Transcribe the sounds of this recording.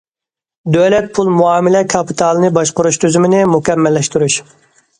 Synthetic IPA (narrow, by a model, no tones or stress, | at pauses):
d̪ølɛt̪̚pʰulˠmuɑːmɪlɛkʰɑpʰit̪ʰɑlˠɨnɨbɑʃqʊɾuʃt̪ʰyzymɪnɪmukʲɛmːɛlːɛʃt̪uɾuʃ